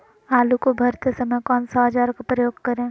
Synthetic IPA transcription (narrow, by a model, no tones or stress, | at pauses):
aːlukobʱɐɾt̪esɐməjkɔːnsɔɦɐd͡ʒaːɾkapɾəjoːɡkɐɾẽː